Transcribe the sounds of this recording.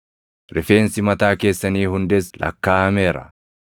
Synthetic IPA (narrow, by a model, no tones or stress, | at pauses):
ɾɪfe̞ːnsɪmɐt̪aːke̞ːsːɐniːhʊnd̪ɛslʔɐ̰kːaːɐmɛːɾɐ̰